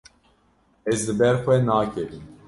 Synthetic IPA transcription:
ɛzlɨbɛɾxʷɛnaːkʰɛɾim

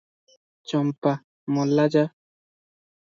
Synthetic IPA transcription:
t͡ʃɔmpa | mɔlːad͡ʒa

